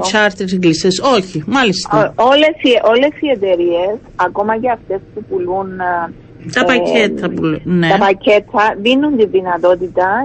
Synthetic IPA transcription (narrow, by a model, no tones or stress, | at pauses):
t͡ʃɐɾt̪eɾeŋɡlisesoçimɐlist̪ɐole̞siʔo̞le̞sie̞t̪e̞ɾie̞s | ɐko̞mɐceɐft̪e̞spupulun | t̪ɐpɐcʰet̪ʰːɐpuluneɐpɐcʰe̞t̪ʰːɐðinːunt̪iðinɐt̪o̞t̪it̪ɐ